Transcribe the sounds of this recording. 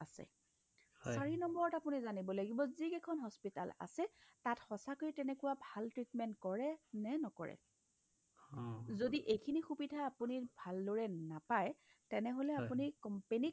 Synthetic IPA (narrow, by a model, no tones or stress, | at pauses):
asɛ̰ | aɹinɔmbɔɹɔtapunizanibɔlaɡibɔzikɛkʰɔnɦɔspita̰la̰sɛtatxɔsakojtɛnɛkʊwabʱaltɹitmɛntkɔɹɛnɛnɔkɔ̰ɹɛ̰ | zodiʔejkʰinixubidʱaapunibʱalːoɹɛnapaj | tɛnɛɦolɛapunikɔmpenik